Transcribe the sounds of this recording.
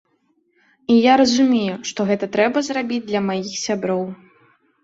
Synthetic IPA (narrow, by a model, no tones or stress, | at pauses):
ijaɾɐzumʲejuʂt̪ɔɣɛt̪ɐt̪ɾɛbɐzrabʲid͡zʲd̪lʲɐmajixsʲabɾɔw